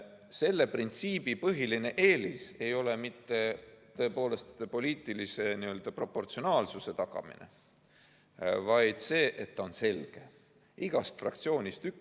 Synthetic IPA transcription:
se̞lːe̞print̪siːb̥ipɤɦiline̞ʔe̞ːlise̞jo̞le̞mit̪ˑːe̞t̪ɤ̞epo̞ːle̞st̪po̞lʲiːt̪ːˑilise̞niø̞ld̪̥ɑpro̞pːo̞rt̪sio̞nɑːlsuse̞t̪ɑɡ̥ɑ̰mḭnḛ | vɑjd̪̥se̞ːʔe̞t̪ːɑo̞nse̞lɡ̥e̞ | iɡ̥ɑst̪frɑ̰k̚t̪sio̞ːnʲist̪yk

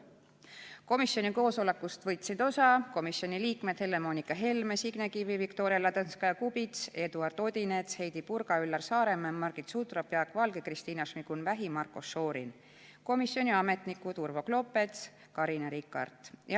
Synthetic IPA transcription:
ko̞misjo̞nʲiko̞ːso̞lekːˑust̪vɤjt̪sid̪o̞sɑko̞misjo̞nʲiliːkme̞d̪̥he̞lːe̞mo̞nikːˑɑɦe̞lmesiɡ̥nekivivikt̪o̞ːɾiɑlɑt̪ɤnskɑjɑkubit̪se̞d̪uɑrd̪̥o̞d̪̥ʲinet̪she̞jd̪̥ipurɡ̥ɑylːɑrsɑːɾe̞mːemːɑrɡ̥it̪sut̪rɑpjɑkvɑlɡekrist̪iːnɑʃmikunvæɦimɑrko̞sːo̞ːɾḭn | ko̞misjo̞nʲiɑme̞t̪nikːut̪urvo̞klo̞pːe̞t̪s | kɑɾinɑɾikːˑɑ̰rd̪̥j

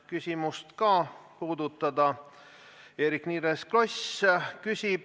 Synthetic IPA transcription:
kysʲimust̪kɑːpuːd̪̥ut̪ːˑɑd̪ɑ | eːɾikniːɾeskloskysʲib̥

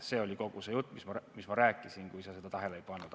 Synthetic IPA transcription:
se̞ːo̞lʲiko̞ɡ̥usejut̪ːˑmismɑmismɑɾæːkːˑisinkujsɑse̞d̪ɑt̪ɑɦelejpɑnːud̪̥

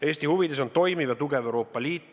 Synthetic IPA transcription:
e̞ːsʲt̪ihuvid̪e̞s̬ont̪o̞jmivjɑt̪uɡe̞veuwɾo̞ːpːˑɑlʲiːt̪ːˑ

